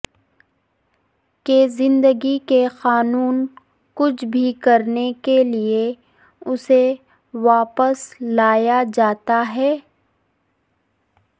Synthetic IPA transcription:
kezɪ̃nd̪əɡikexaːnuːn | kʊt͡ʃʰbʱikɐɾnekelie | ʊse | ʋaːpəslaːjad͡ʒaːt̪aɦɛː

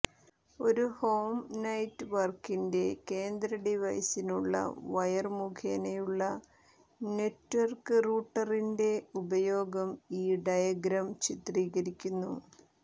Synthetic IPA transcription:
o̞ɾuhoːmnɐjtːɨʋɐrkinde̞ke̞ːnd̪ɾɐɖiʋɐjsinuɭːɐ̰ʋɐjɐrmukʰeːnɐjuɭːɐ | netːʋɐrkɨruːʈːɐrinde̞ubɐjo̞ːɡɐmiːɖɐjɐɡɾɐmt͡ɕit̪riːɣɐɾikʲːunːṵ

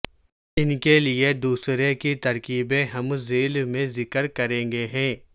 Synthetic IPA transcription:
ɪnkelied̪uːsɾekit̪ɐɾkiːbẽɦɐmzeːlmẽzɪkəɾkɐɾẽːŋɡeɦɛ̃ː

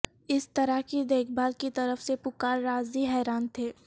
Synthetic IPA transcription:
ɪst̪ɐɾəkid̪eːkʰbaːlkit̪ɐɾəfsepʊkaːɾːaːziɦɛːɾaːnt̪ʰeː

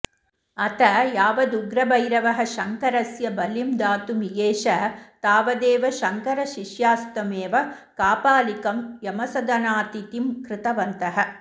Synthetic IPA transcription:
ɐt̪ɐjaːʋɐd̪uɡɾɐbɐjɾɐʋɐɦɐ̆ʃɐŋkɐɾɐsjɐbɐlimd̪aːt̪umiɡeːʃɐt̪aːʋɐd̪eːʋɐʃɐŋkɐɾɐʃiʃjaːst̪ɐmeːʋɐ | kaːpaːlikɐmjɐmɐsɐd̪ɐnaːt̪it̪imkɾɪt̪ɐʋɐnt̪ɐɦɐ

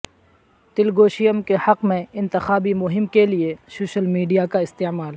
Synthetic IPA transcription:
t̪ɪlɡoːʃijəmkehɐqmẽɪ̃nt̪ɪxaːbimʊɦɪmkeliesoːʃəlmiːɖijakaɪst̪eːmaːl

